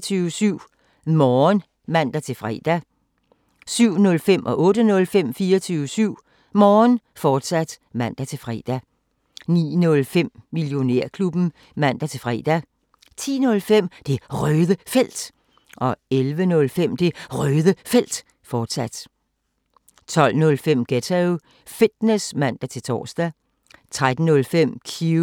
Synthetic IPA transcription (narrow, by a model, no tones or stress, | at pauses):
t͡sʰyːəsyʊ̰ | mɒːn | ʋæn̰d̥æt͡sʰe̝lfʁɛ̰d̥æ | syʊ̰nɔ̽lfem̰ʔɒ̽ʔɔ̽ːɾ̥ənɔ̽lfem̰fiːɒt͡sʰyːʊʋəsyʊ̰ | mɒːnfɒːd̥sæd̥ | ʋæn̰d̥æt͡sʰe̝lfʁɛ̰d̥æ | nḭːnɔ̽lfem̰miljo̝ne̝ɐ̰kʰlub̥n̩ | mæn̰d̥æt͡sʰe̝lfʁɛ̰ːd̥æ | t͡sʰḭːnɔ̽lfem̰d̥e̝ʁœːðˠəfel̰d̥ | ʔɒ̽elʋənɔ̽lfem̰d̥e̝ʁœːðˠəfel̰d̥ | fɒːd̥sæd̥ | t͡sʰɒ̽l̰nɔ̽lfem̰ɡ̥et͡sʰeʊ | fid̥nesmæn̰d̥æt͡sʰe̝lt͡sʰɒ̰ːsd̥æ | t͡sʰʁad̥n̩nɔ̽lfem̰kʰi